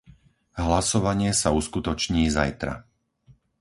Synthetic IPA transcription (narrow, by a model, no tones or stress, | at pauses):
ɦlasɔʋaɲɪɛsauskut̪ɔt͡ʃɲiːzajt̪ɾa̰